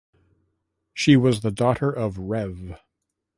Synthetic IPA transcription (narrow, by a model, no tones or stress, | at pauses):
ʃiwʌzðɨdɔɾə˞ʔʌvɹɛv